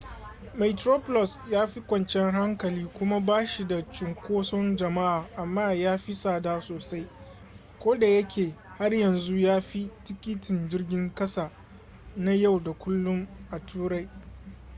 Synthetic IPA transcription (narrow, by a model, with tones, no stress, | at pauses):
ma˨tɾoː˦pɔ˦lɔ˨sjaː˦ɸi˦kʷɐ˨nt͡ʃɛ˦ŋɦa˦ŋkɐ˨liː˦kʷʊ˦ma˦baː˦ʃi˨da˨t͡ʃɪ˨ŋkʷoː˦sɔ˦nd͡ʒɐ˨ma˦ʔaː˨ʔa˨mːaː˦˨jaː˦ɸi˦saː˦daː˦soː˨sa˦j | kʷoː˦da˨jɐ˦kʲeː˨ | ha˦rjɐ˨nzu˦jaː˦ɸi˦tɪ˦kʲɪ˦tʰɪ˨nd͡ʒɪ˦rɡʲɪ˦ŋkɐ˦sa˨ | na˦ja˦˨wda˨kʷʊ˦lːʊ˦mʔa˨tuː˦ɾa˦j